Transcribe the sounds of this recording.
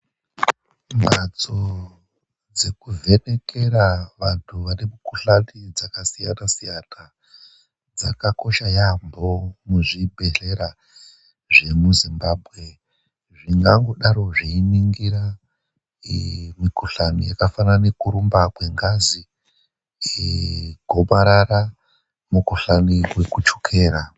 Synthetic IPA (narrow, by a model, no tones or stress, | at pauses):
mbat͡so | d͡ze̞kuve̞ne̞ke̞ɾaʋantʰuʋanemukuɬanid͡zakasijanasijana | d͡zakako̞ʃajambo̞muʐibʱe̞ɬe̞ɾa | ʐe̞muzimbaːbʱɣe̞ | ʐiŋɡaŋɡoɗaɾo̞ʐiiniŋɡiɾa | mikuɬanijakafanane̞kuɾumbakwe̞ŋɡazi | ɡʱo̞ɓaɾaɾa | mukuɬaniwekut͡ʃo̥kʰe̞ːɾa